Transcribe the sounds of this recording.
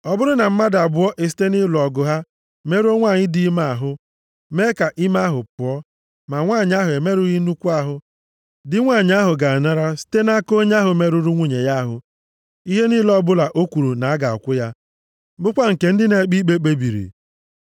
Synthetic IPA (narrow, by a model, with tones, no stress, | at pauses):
ɔ˨bʊ˦ɾʊ˦na˨m̩˦ma˦da˨bʊ˦ɔ˦ʔe˨s̬i̥˦te˦ni˦lɔ˨ɡʊ˨ɦa˦ | me˦ɾo˦ŋʷa˦˨ɲɪ˦di˦ma˨a˨ɦʊ˦ | me˦ka˨ʔi˦ma˦ɦʊ˨pʊ˨ɔ˦ | ma˨ŋʷa˦˨ɲ˦a˦ɦʊ˨e˨me˦ɾʊ˦ɣi˦nu˦kʷu˦a˦ɦʊ˨ | dɪ˦ŋʷa˦˨ɲ˦a˦ɦʊ˨ɡa˨a˨na˦ɾa˦si̥˦te˦na˦ko˦ɲ˦a˦ɦʊ˨me˦ɾu˦ɾu˦ŋʷu˦ɲe˨ja˦a˦ɦʊ̰˨ | i˦ɦe˦ni˦lɔ˦bʊ˦la˨ʔo˦kʷu˨ɾu˨na˨a˦ɡa˨ɔ̰˨kʷʊ˦ja˦ | bʊ˦kʷa˦ŋ̩˨ke˨n̩˦dɪ˦ne˨˦k͡pi˦k͡pe˦k͡pe˦bi˨ɾḭ˨